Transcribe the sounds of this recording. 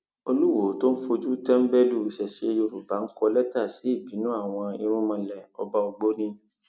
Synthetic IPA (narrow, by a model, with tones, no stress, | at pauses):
o˧lu˦wo˨˦to˦n̩˦fo˧d͡ʒu˦tɛ˦m̩˦bɛ˦lu˦˨ʃɛ˨ʃe˨˦e˧jo˧ɾu˨ba˨˦ŋ̩˦kɔ˧lɛ˦ta˦˨si˨˦i˦˨bi˨˦nũ˦a˦˨w̃ɔ̃˧i˧ɾ̃ũ˦mã˧lɛ˨ɔ˧ba˦ɔ˧ɡ͡bo˦nĩ˦